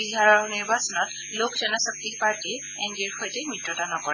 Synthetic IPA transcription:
biɦaɹɔɹniɹbasɔnɔt | lokzɔnɔsɔk̚tipaɹti | ɛŋɡiɹxojtɛmitɹɔtanɔkɔɹɛ

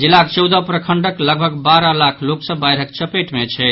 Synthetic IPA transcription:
d͡ʒilːakt͡ʃəwd̪əpɾəkʰəɳɖəkləɡbʱəɡbaɾəlakʰloksəbajɾɦək̚t͡ʃəpeʈmet͡ʃʰɛ

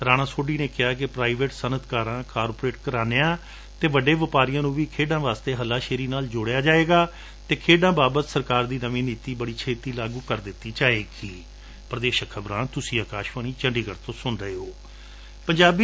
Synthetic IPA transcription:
ɾaːɽaːsoːɖiːneːkɪɦaːk̬ɪpɾaːɪʋeːʈsənət̪kaːɾãːkaːɾpoɾeːʈkəɾaːneːãː | t̪eːʋəɖeːʋəpaːɾɪjãːnũːʋiːkʰeːɖãːʋaːst̪eːɦəlːaːʃeːɾiːnaːld͡ʒoːɽejaːd͡ʒaːeːɡaː | t̪eːkʰeːɖãːbaːbət̪səɾkaːɾd̪iːnəʋĩːniːt̪iːbəɽiːt͡ʃʰeːt̪iːlaːɡũːkəɾd̪ɪt̪ːiːt͡ʃaːeːɡiː | pɾəd̪eːʃəkʰːəbɾãːnt̪ʊsĩːəːkaːʃʋəːniːt͡ʃəɳɖiːkəɾt̪õːsʊnɾəeːoː | pəɲd͡ʒaːbi

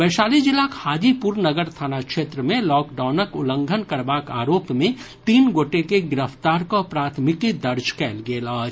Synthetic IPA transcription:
bɛːʃaːlid͡ʒɪlakhaːd͡ʒipuɾnəɡəɾt̪ʰaːnakʃeːt̪ɾəmẽlɔːkɖaːʊnəkʊlə̃ŋɡʱənkəɾbaːka̰ːɾoːpmẽ | t̪iːnɡoːʈekeɡɪɾəft̪aːɾkopɾaːt̪ʰmɪkid̪ɐɾd͡ʒkɛːlɡeːlaːd͡ʒ

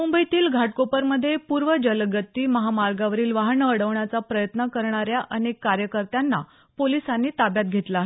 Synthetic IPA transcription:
mumbəjit̪iːlɡʱaʈkopəɾməd̪ʱːjepuːɾʋəd͡ʑəlɡət̪ːiːməɦamaɾɡaʋəɾiːlʋaɦɳəəɽəʋɳjat͡sapɾəjət̪nəkəɾɳ̃aɾjaʔʔənekːaɾjəkəɾt̪janːa | polisanːiːt̪abjat̪̚ɡʱet̪laːɦe

